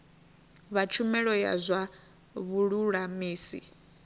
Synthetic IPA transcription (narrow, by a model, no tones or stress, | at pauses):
βat͡ʃʰumɛɺɔja̰zʷa | βuɺuɺamiːsḭ